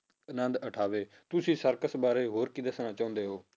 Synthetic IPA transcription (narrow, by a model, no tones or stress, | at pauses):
ənənd̪əʈʰaːʋeː | t̪ʊsĩːsəɾkəsbaːɾeːɦoːɾkiːd̪əsnaːt͡ʃaːʊ̃nd̪eːɦoː